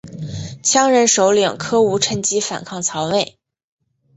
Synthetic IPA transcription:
t͡ɕʰjɑ˥ŋɻə˧˥nʂo˧˥ʊlji˨˩ŋkʰɤ˥u˧˥ʈ͡ʂʰə˧˥nt͡ɕi˥fa̰˨˩nkʰɑ˥˩ŋt͡sʰɑ˧˥ʊne˥˩ɪ

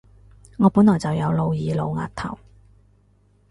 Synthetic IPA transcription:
ŋɔː˨˧pu˨˥nlɔː˨˩jt͡sɐ˨wjɐ˨˧wlo˨˧wjiː˨˧lo˨˧wŋa̰ː˧t̚t̪ʰɐ˨˩w

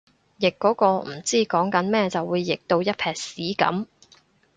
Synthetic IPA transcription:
jɪ˨kːɔː˨˥kɔː˧m̩˨˩t͡siː˥kɔː˨˥ŋkɐ˨˥nmɛː˥t͡sɐ˨wːuː˨˧jːɪ˨k̚t̪o˧wjɐ˥t̚pʰɛː˨k̚siː˨˥kɐ̰˨˥m

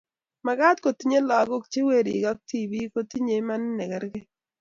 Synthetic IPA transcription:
ma˨ɡa˦t̪ko˨t̪i˦ɲe˦lɔ˨˦ɡo˦k̚t͡ʃe˦we˦˨ɾḭ˨ɡɔ˦k̚ti˦˨bi˦ko˦t̪i˦ɲe˨˦ma˦n˦nɛ˨ɡɛ˦ɾɡɪ˦

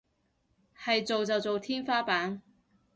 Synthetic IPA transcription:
hɐ˨jt͡so˨wt͡sɐ˨wt͡so˨wt̪ʰiː˥nfaː˥paː˨˥n

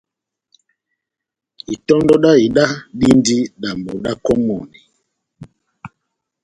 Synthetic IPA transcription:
i˨tɔ˦ndɔ˦ɗa˦i˨ɗa˦ɗi˦ndi˦ɗa˨mbɔ˨ɗa˦kɔ˦mɔ˨ni˨

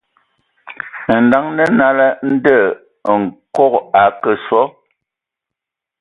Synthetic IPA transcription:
n̩˨da˨˦ŋnə˦na˦lə˦n̩˦də˦˨ | ŋ̩˨kɔ˦ka˨˦kə˨swɔ˦

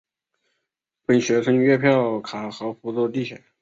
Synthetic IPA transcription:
pə˨˥˩nɕɥɛ˧˥ʂʰɤ˥ŋɥɛ˥˧pʰjɑ˥˩ʊkʰa˨˩xɤ˧˥fu˧˥t͡swɔ˥˧t̪i˥˩ɕʰɛ˨˩˦

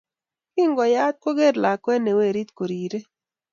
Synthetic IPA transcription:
kɪ˦ŋɡɔ˨ja˦t̪̚ko˦ɡe˦ɾla˨kwɛ˦ne˨we˦˨ɾi˦t̪ko˨ɾi˨ɾe˦

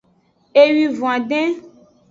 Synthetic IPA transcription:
e˨ɥi˨vũ˨ã˨ɖɛ̃˦

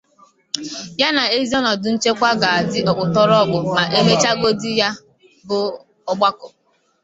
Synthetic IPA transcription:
ja˦na˨e˦zi˦ɔ˦nɔ˨dʊ˨n̩˦t͡ʃe˦kʷa˦ɡa˨a˨dɪ˦ɔ˨k͡pʷʊ˨tɔ˦ɾɔ˦˨ɡ͡bʊ˨ma˨ʔe˦ɦe˦t͡ʃa˦ɡo˦dɪ˦ja˦ | bʊ˦ | ɔ˦ɡ͡ba˦kʊ˨

